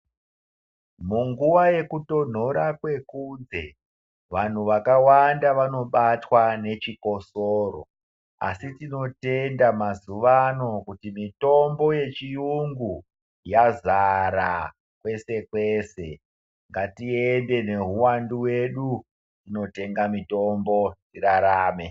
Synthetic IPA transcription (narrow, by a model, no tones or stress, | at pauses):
muŋɡuʋaje̞kuto̞n̤o̞ɾakwe̞kund͡ze̞ | ʋan̤uʋakawandaʋano̞ɓatwane̞t͡ʃiko̞soːro̞̰ | a̰sitino̞te̞ndamazuʋano̞kutimito̞mbo̞je̞t͡ʃijuŋɡu | jazaɾa̰ | kwe̞se̞kwe̞ːse̞ | ŋɡatiende̞ne̞ɦuwanduwe̞ɗu | tino̞te̞ŋɡamito̞mbo̞tiɾaɾaːme̞